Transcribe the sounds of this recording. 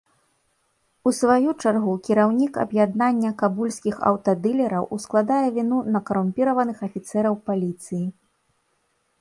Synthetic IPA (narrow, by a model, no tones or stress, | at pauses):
usvajut͡ʂarɣukʲiɾawnʲikɐ̰bjad̪nanʲːɐkabulʲsʲkʲixɐ̰wt̪ɐd̪ɨlʲɛɾɐwʔusklˠad̪ajɛvʲinunɐkɐɾumʲpʲiɾɐvɐnɨxɐfʲit̪sɛɾɐwpalʲit̪sɨji